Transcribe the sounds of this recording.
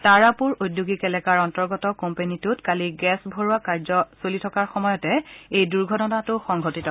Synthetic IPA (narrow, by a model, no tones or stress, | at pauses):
taɹapuɹojdjuɡikɛlɛkaɹɔntɔɹɡɔtɔkompenitʊtkaliɡɛsbʱoɹuakaɹzɔsolitʰɔkaɹxɔmɔjɔtɛejduɹɡʱɔdɔtatʊxɔŋɡʱotitɔ